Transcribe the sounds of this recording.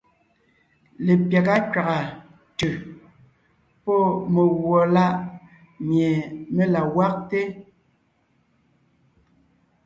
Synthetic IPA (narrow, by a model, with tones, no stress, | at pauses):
le˨pja˨ka˦kɥa˨ɣa˨ | tʉ˨ | pɔ˦me˨ɣwɔ˨la˦ʔ | mje˨me˦la˨wa˦k̚te˦